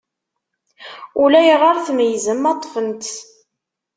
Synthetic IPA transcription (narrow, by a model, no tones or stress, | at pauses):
ulæjəʁaɾθmjzəmːɑt̪ˤːfənt̪